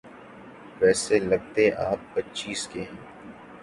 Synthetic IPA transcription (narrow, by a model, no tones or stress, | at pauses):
ʋɛːselɐɡ̚t̪eʔaːpːɐtːt͡ʃiːskeɦɛ̃ː